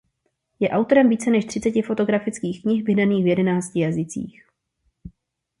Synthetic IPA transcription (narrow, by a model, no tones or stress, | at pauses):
jɛʔawt̪o̞ɾɛmviːt͡sɛnɛʃt̪r̥ɪt͡sɛcɪfo̞t̪o̞ɡɾafɪt͡skiːxkɲɪxvɪɦdaniːxvjɛdɛnaːt͡scɪjazɪt͡sḭːx